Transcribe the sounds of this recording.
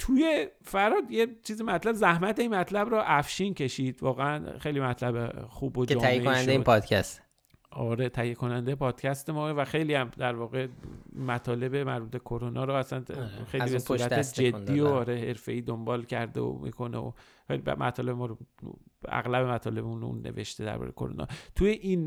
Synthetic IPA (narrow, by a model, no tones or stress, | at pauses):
t̪ʰuje̞fæɾɒːd̪jet͡ʃʰiːzimæt̪ʰlæbzæhmæt̪ʰeinmæt̪ʰlæbɾɒːʔæfʃiːncʰe̞ʃiːd̪̥vɒːɣeænxejlimæt̪ʰlæbexuːbod͡ʒeɒːjjeonænd̪eipʰɒd̪̥kʰæst̪ | ɒːɾe̞t̪ʰæhjekʰo̞nænd̪epʰɒːd̪̥cʰʲæst̪e̞mɒːevæxe̞jliːæmd̪æɾvɒːɣe̞mæt̪ʰɒːle̞bemæɾbuːt̪ʰekʰoɾonʔɒːɾɔːæsænxejlibesuɾæt̪ed͡ʒe̞d̪ːiːoɒɾehe̞ɾfe̞iːd̪ombɒːlcʰæɾd̪ḛo̰mḭkʰo̞neo̰ | xejlḭmæ̰t̪ʰɒːlebemɒːɾo | æ̰ɣlæbe̞mæt̪ʰɒːle̞bemunṵnːḛve̞̰ʃt̪e̞d̪æ̰ɾbɒ̰ɾḛjekʰoɾo̰nɒ̰t̪ʰujeʔin